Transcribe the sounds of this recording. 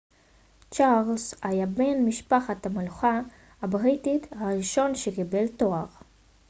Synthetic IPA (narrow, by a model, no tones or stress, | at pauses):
t͡ʃaʁlsajabe̞nmiʃpaχatameluχa | habʁitit̪haʁiʃo̞nʃekibeltoaʁ